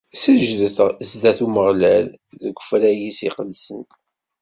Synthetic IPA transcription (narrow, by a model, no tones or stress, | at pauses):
səʒðəθʁzd̪æθuməʁlælðəɡʷːəfɾæjisiqəd̪sənt